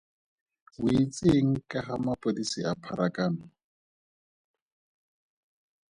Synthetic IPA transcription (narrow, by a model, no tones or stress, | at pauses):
ʊit͡sʼeŋ̩kʼaχamapʼodisiapʰaɾakʼaːnɔ